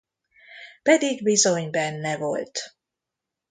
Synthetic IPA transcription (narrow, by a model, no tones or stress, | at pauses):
pɛd̪iɡbizo̞ɲbɛnːɛvo̞̰lt̪